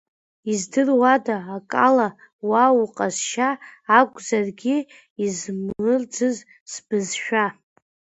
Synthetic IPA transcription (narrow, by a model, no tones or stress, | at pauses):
izdɨrwadaːkʼala | wawuqʼazʃaːkʷʼzarɡʲi | izmɨrd͡zɨz | sbɨzʃᶣa